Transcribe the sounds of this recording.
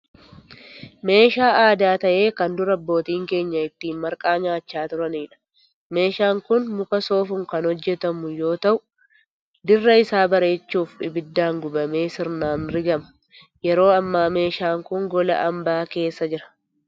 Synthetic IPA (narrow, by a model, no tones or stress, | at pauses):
me̞ːʃaːʔaːd̪aːt̪ɐʔe̞ːkɐnd̪ʊɾɐbːo̞ːt̪iːŋke̞ːɲːɐɪt̪ːiːnmɐɾkʼaːɲaːt͡ʃːaːt̪ʊɾɐniːᶑɐ̥ | me̞ːʃaːŋkʊnmʊkɐso̞ːfʊŋkɐnhɔd͡ʒːɛt̪ɐmʊjo̞ːt̪ɐʔʊ | d̪ɪrːɐɪsaːbɐɾe̞ːt͡ʃːuːfᶑɪbɪd̪ːaːŋɡʊbɐme̞ːsɪɾnaːnɾɪɡɐmɐ̥ | jɛɾo̞ːɐmːaːme̞ːʃaːŋkʊŋɡɔlɐ̰ʔɐmbaːke̞ːsːɐd͡ʒɪɾɐ̥